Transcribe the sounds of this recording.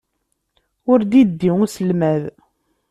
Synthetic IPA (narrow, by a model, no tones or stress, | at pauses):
ʊɾd̪id̪ːiŋusəlmæð